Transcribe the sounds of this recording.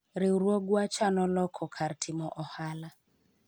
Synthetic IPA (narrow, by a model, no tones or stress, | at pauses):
ɾɪwɾwɔɡwat͡ʃanɔlɔkʰɔkʰartʰɪmɔʔɔhala